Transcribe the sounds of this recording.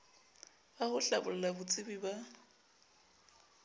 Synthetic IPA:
bahʊɬabʊlɛlabʊt͡sʼɪbiba

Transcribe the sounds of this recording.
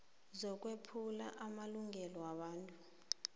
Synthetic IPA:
zɔk̬ʼwepʰulaʔamaluŋɛlɔwaɓaːntʼu

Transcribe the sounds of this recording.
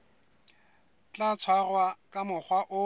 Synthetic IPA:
t͡ɬat͡sʰwarwakʼamʊχwaʔʊ

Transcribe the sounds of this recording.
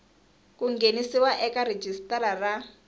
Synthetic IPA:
kuŋɡenisiwaʔɛkaɾed͡ʒistaɾara

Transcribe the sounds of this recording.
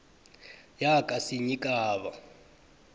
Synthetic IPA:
jakʼasiɲikʼaːβa

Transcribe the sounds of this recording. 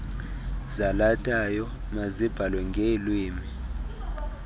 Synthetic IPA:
zalatʰʼajɔ | mazib̥ʱalwɛŋɡʱelwiːmi

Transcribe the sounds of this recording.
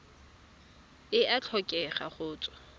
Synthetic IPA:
ɪʔat͡ɬʰɔkʼɛχaχʊːt͡sʼwɔ̥

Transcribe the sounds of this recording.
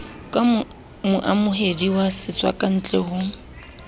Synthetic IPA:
kʼa | mʊʔamʊɦediwasɪt͡sʼwa̰kʼan̩t͡ɬʼɛhʊ

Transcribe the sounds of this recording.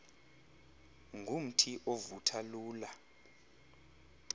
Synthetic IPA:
ŋɡʱum̩tʰiʔovutʰaluːla

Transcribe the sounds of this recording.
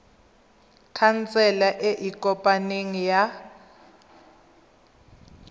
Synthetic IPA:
kʰant͡sʰʼɛlaʔeʔikʼɔpʼaneŋija

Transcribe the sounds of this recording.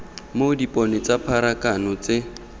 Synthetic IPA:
modipʼɔnet͡sapʰaɾakanɔt͡sɪ

